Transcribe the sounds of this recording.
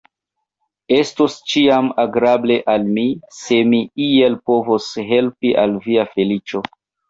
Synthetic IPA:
e̞stost͡ʃiamaɡɾable̞ʔalmise̞miie̞lpo̞vosɦe̞lpiʔalviafe̞lit͡ʃo̞

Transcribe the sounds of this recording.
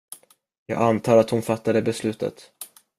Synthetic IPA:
jɑ̰ːɡant̪ʰɑːɾat̪hʊnfat̪ːad̪əbɛslʉ̟ːt̪ə̰t̪

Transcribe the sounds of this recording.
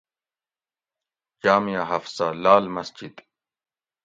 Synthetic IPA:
d͡ʑaːmijaɦɐfsalaːlmɐsd͡ʑid̪

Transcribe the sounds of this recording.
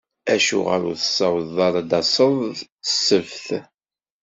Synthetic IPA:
æʃṵʁə̰ɾuθə̥sˤːɑwðˤɑɾˤd̪ɑsˤəðˤəsːəvθ

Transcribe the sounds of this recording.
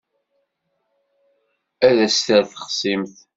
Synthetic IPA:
æðæst̪æɾθə̥χsimθ

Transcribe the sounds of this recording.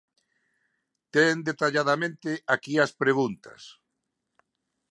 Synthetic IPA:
t̪end̪et̪aʎaðamẽnt̪ɪakiaspɾeɣunt̪ɐ̰s

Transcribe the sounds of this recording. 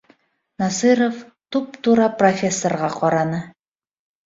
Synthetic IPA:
nɑsɨɾof | t̪upt̪uɾɑprofʲesːorʁɑqɒɾɑnɤ

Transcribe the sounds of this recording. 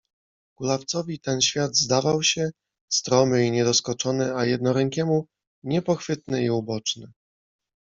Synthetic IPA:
ɡ̥ulaft̪sɔvʲit̪ɛnɕfʲjad̪zd̪avawɕɛ | st̪ɾɔmɘiɲɛd̪ɔskɔt͡ʂɔnɘajɛd̪nɔɾɛŋkʲɛmu | ɲɛpɔxfɘt̪nɘiubɔt͡ʂnɘ

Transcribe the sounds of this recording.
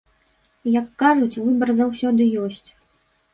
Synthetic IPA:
jɐkːaʐut͡sʲvɨbɐrzawsʲɔd̪ɨjɔsʲt͡sʲ

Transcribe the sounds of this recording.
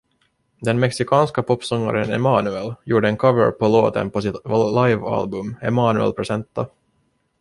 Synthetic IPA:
d̪ɛnmɛksɪkʰɑːnskapʰɔpːsɔŋːa̰ɾənɛ̰mɑːnʉɛljuːɖəɛnkʰavəɾpʰɔlo̰ːt̪ə̰npɔsɪt̪lajva̰lbɵmɛmɑːnʉɛ̰lpʰɾɛsɛnt̪ːa

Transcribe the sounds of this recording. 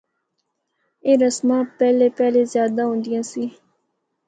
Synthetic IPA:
eːɾəsmãːpɛːlepɛːlezjaːd̪aɦõːnd̪ijãːsiː

